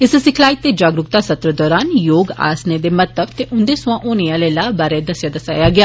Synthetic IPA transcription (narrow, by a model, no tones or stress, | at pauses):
ɪssɪkʰlaːiːt̪eːd͡ʒaːɡɾʊkt̪aːsət̪ɾəd̪ɔːɾaːnjoːɡa̰ːsneːd̪eːmət̪əbt̪eːʔʊnd̪eːsʊãːʔoːniãːlelaːbaːɾeːd̪əsɪjaːd̪əsa̰ːjaːɡɪaː